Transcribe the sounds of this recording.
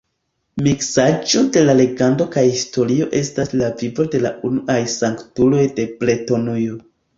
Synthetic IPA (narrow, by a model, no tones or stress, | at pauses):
miksad͡ʒode̞lale̞ɡando̞kajhisto̞ɾio̞ʔe̞staslavibode̞la̰unuʔajsaŋktulo̞jde̞ple̞to̞nujo